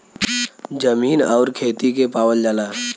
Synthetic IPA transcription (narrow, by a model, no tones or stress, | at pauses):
d͡ʒəmiːnɔːɾkʰeːt̪ikepaːwəld͡ʒaːlaː